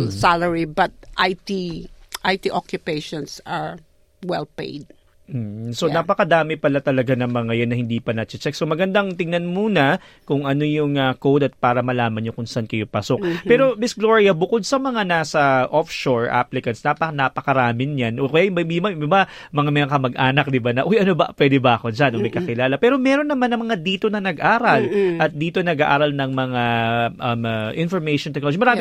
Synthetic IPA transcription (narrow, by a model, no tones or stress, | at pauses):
salɛɹibɐt̪̚ʔajt̪iʔajt̪iʔokjʊpeʃɔ̃nsaɹ | wɛlpḛjd̪̚ | m̩sonapɐkɐd̪aːmɪpɐlat̪ɐlɐɡanɐŋmɐŋɐjɐnːɐhɪnd̪iːpɐnɐt͡ʃɪt͡ʃɛk̚somɐɡɐnd̪ɐŋt̪ɪŋnɐnmuːnɐ | kʊŋɐno̞jʊŋɐkowd̪ɐt̪̚paːɾɐmɐlaːmɐnjokʊnsɐʔankɐjo̞pɐso̞k̚pɛɾomɪsɡloɹiɐbʊko̞d̪̚sɐmɐŋanaːsɐʔofʃoɹʔa̰plɪkɐnsnapɐnapɐkɐɾaːmɪnjanʔokɐjaːjmbɐmimɐiba | mɐŋamɐŋakɐmɐɡʔaːnɐk̚d̪ɪbanɐʔojʔɐnobɐ̰pwɛd̪ɛbɐʔɐko̞d͡ʒanomɐɡ̚kɐkɪlaːlɐpɛːɾo̞mɛɾo̞nːɐmanːɐmɐŋad̪iːt̪o̞nɐnɐɡʔaːɾɐlʔɐt̪̚d̪iːt̪onnɐɡa̰ʔa̰ːɾɐlnɐŋmɐŋaʔɐmɐʔɪnfoɹmɛjʃont̪ɛknood͡ʒimɐɾaːmɪ